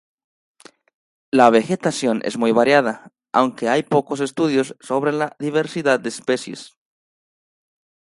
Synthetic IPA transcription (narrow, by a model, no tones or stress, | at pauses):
laβe̞xe̞t̪asjo̞nʔḛzmujβaɾjaða | awŋke̞ajpo̞ko̞s̬e̞st̪uðjo̞sːo̞βɾe̞laðiβe̞ɾsiðað̚d̪eːspe̞sje̞s